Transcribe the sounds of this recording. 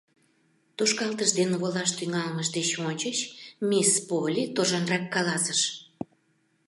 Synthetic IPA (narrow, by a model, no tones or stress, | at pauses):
t̪oʃkɑlt̪əʃd̪enβolɑʃt̪yŋɑlməʃd̪et͡ɕonʲt͡ɕəɕmispolʲit̪oʒɑnrɑkːɑlɑsəʃ